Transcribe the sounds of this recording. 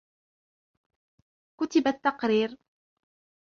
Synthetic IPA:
kʊt̪ɪbat̪ːɑqɾiːɾ

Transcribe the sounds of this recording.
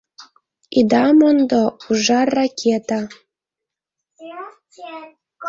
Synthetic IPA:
id̪ɑmond̪ouʒɑrːakʲʰet̪a

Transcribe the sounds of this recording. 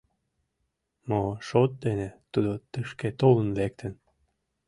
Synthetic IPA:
moʃot̪̚d̪enet̪ud̪ot̪əʃket̪olə̆nβek̚t̪ʰə̆n

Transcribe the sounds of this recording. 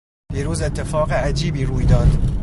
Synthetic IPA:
d̪̥iːɾuːze̞t̪ʰːe̞fɒːɣeæd͡ʒiːbiːɾuːjd̪ɒːd̪̥

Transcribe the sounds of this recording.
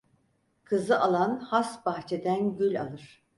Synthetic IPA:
kʰɯzɯʔalˠanhasbaxt͡ʃʰe̞d̪ænɟylʲa̰lˠɯɾ̥

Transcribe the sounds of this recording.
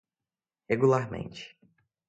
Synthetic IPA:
heɡulaɾmḛ̃nt͡ʃɪ̥

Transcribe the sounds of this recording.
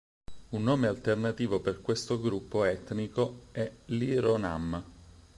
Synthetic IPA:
unːoːmealt̪ernat̪iːvoperkwest̪oɡɾupːoɛt̪nikoɛliɾona̰m

